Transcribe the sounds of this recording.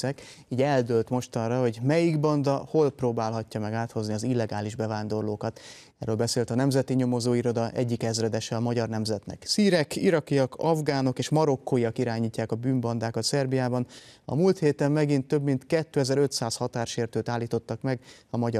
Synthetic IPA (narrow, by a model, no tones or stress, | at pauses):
ɛk | iːɟɛld̪ølt̪mo̞ʃt̪ɒnrɒho̞ɟmɛjiɡbɒnd̪ɒho̞lproːbaːlɦɒcːɒmɛɡaːt̪hozniɒzilːɛɡaːliʒbɛvaːnd̪o̞rloːkɒt̪ | ɛ̰rɾøːlbɛseːlt̪ɒnɛmzɛt̪iɲo̞mo̞zoːiɾo̞d̪ɒʔɛɟːikɛzrɛd̪ɛʃɛɒmɒɟɒrnɛmzɛt̪nɛ̰ksiːɾɛkiɾɒkijɒkʰɒvɡaːno̞keːʃmɒɾo̞kːoiɒkiɾaːɲiːcːaːkɒbyːmbɒnd̪aːkɒt̪sɛrbijaːbɒnɒ̰mult̪heːt̪ɛmːɛɡint̪ːøbmint̪kɛt̪ːøːɛzɛɾøt̪saːshɒt̪aːrʃeːrt̪øːt̪aːlːiːt̪o̞t̪ːɒkmɛɡɒmɒɟ